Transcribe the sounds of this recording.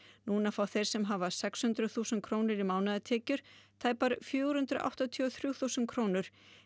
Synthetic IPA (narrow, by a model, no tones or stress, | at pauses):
nuːnafɾawθejɾ̥sɛmɦavḁsɛkshʏnt̪ɾʏθuːsʏnkʰɾoːwnɪɾimawnaðɪt̪ʰɛːcʏɾ̥t̪ʰaːjpaɾfjʏːɣɾ̥hʏnt̪ɾʏʔa̰wht̪at̪ʰːɔθɾjuːwθuːsʏn̚kʰɾoːwnʏɾ̥